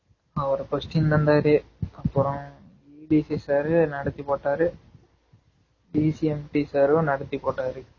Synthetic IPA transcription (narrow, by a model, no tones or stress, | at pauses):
ɐʋɐɾɐkɔsʈɪnnɐnd̪aːɾe | ɐpːɯɾɔ̃ | iːɖiːsisaːɾɯnɐɽɐt̪ːipːoːʈːaːɾɯ | ɖiːsiɛmʈisaːɾɯ̃nɐɽɐt̪ːipːoːʈːaːɾɯ